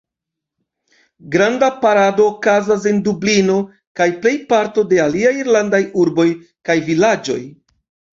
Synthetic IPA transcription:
ɡɾandapaɾado̞ːkazas̬e̞ndublino̞ | kajple̞jpaɾto̞de̞aliajiɾlandajuɾbo̞j | kajvilad͡ʒo̞̰j

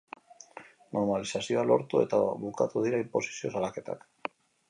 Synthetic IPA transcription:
no̞ɾmalisasio̞alo̞̰ɾt̪ue̞̰t̪aβuka̰t̪uðiɾaimpo̞si̥sio̞salake̞t̪a̰k

